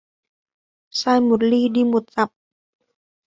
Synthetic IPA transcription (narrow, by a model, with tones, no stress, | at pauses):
saː˧jmo˨˩t̪̚liː˧ɗi˧˩mo˨˩t̪̚za˨˩p̚